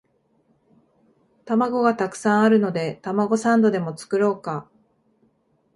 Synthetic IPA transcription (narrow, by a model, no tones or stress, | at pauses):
t̪amaɡo̞ɡat̪akɯ̥sãɰ̃aɾɯ̟no̞d̪e̞t̪amaɡo̞sãnd̪o̞d̪e̞mo̞t͡sɨ̥kɯ̟ɾo̞ːka